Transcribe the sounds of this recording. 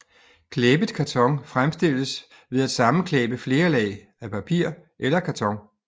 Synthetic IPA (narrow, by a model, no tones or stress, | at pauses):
kʰleb̥əðˠkʰæt͡sʰɒ̽ŋfʁamsd̥e̝l̰əs | ʋe̝ð̞ˠæd̥sɑ̈mn̩kʰlɛːb̥əfle̝ːɐlɛ̰ɪ | æpʰæpʰḭɐ̰ʔelɐkʰæt͡sʰɒ̽ŋ